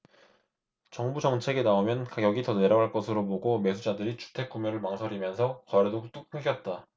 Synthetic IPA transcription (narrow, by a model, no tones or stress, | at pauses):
t͡ɕʌŋbud͡ʑʌŋt͡ɕʰe̞ɡe̞naomjʌnkaɡjʌɡitʌneɾʌɡɦaɭk͈ʌsʰɯɾoboɡome̞sʰud͡ʑadɯɾit͡ɕu̥tʰe̞k̚k͈omjʌɾɯɭmaŋsʰʌɾimjʌnsʰʌkʌɾedot͈uk̚pʰɯŋɡjʌt̚t͈a